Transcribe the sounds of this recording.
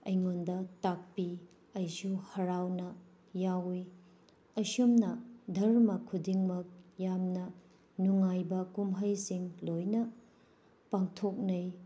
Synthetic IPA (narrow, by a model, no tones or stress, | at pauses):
ɐjŋondɐtak̚pi | ɐjsuhɐɾawnɐ | jawi | ɐsumnɐdʱɐɾmɐkʰudiŋmɐk̚jamnɐ | nuŋajbɐkumɦɐjsiŋlojnɐ | paŋtʰok̚nɐj